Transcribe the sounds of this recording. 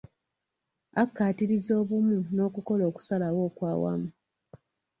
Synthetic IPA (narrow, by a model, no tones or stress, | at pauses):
akːaːtiɾizo̞ːβumuno̞ːkuko̞lo̞ːku̥salawo̞ːkwaːwa̰mu